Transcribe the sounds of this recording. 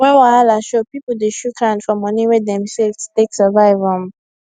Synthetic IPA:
wɛ̃nwaalaʃopipl̩deʃukʰɹãndfɔ̃mːɔniwɛdɛ̃msɛlvsteksɛvaɪvɔ̃

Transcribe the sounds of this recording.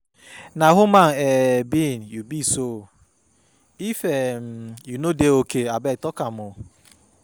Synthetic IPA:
naɦumanebinjubiso | ifem̩junodeokeabɛtɔkamʊ

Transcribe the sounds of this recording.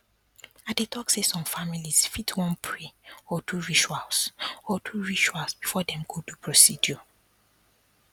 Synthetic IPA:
adetʰɔksesɔ̃mfamiliz̥fitʰwɔ̃npʰɹeɔtʰuɹit͡ʃualsɔtʰuɹit͡ʃualsbifɔdɛ̃mɡodupʰɹɔsidjɔ

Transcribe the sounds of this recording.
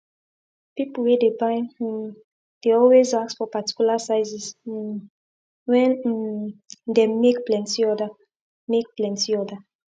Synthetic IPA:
pipulwedebãɪ̃ | d̥eɔlwezak̚sfɔpati̥kjulasaɪzis̩ | wɛ̃n | demek̚plɛ̃ntiɔda | mek̚plɛ̃ntiɔda

